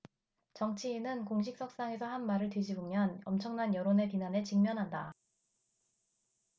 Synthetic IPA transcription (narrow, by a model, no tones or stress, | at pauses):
t͡ɕʌŋt͡ɕʰiːnɯnkoŋɕ̬ʰik̚s͈ʌk̚s͈aŋe̞sʰʌhanmaɾɯɭtwed͡ʑibomjʌnʌmt͡ɕʰʌŋnanjʌɾone̞pinanet͡ɕiŋmjʌnɦanda